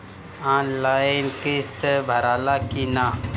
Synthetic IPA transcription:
aːnlaːinkist̪bʱɐɾaːlaːkina

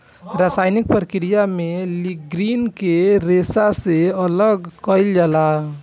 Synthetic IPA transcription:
ɾasajnik̚pəɾkiɾijameliɡɾinkeɾesaseɔlɔɡkɔjld͡ʒala

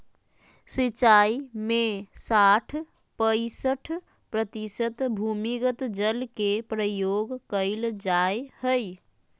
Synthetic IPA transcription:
sit͡ʃaimesaʈʰ | pəɪsəʈʰ | pɾət̪isət̪bʱumiɡət̪d͡ʒəlkepɾəjoɡkəɪld͡ʒaehəj

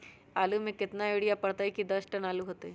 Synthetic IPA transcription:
aːlumẽkɪt̪naeːɽijapɐɽt̪aikid̪ɐsʈɐnaːluɦoːt̪ɛː

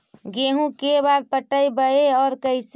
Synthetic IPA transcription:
ɡeːɦũkebaːɾ̚pəʈəibəeɔːɾkəɪs

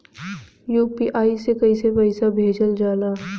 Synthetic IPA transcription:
juːpiʔaːisekɐisepɐɪsabʱeːd͡ʒəld͡ʒaːlaː

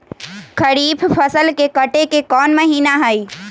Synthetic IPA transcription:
kʰəɽiːpʰpʰəsəlkekəʈekekɔːnmɐɦiːnaɦəi

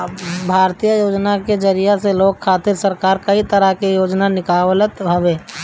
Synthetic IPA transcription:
bʱaːɾt̪ijəjoːd͡ʒnaked͡ʒəɾijaseloːɡ̚kʰːaːt̪ɪɾsəɾkaːɾkɐit̪əɾəkejoːd͡ʒnanɪkaːwlət̪ɦɐʋẽː

